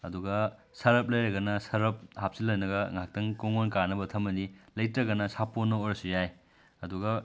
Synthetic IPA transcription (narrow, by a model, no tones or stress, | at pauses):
ɐduɡɐ | sɐɾɐp̚lɐjɾɐɡɐnɐsɐɾɐp̚hap̚silɐjnɐɡɐŋak̚tɐŋkoŋonkanɐbɐtʰɐmɐnilɐjtɾɐɡɐnɐsapːonːɐojɾɐsujaj | ɐduɡɐ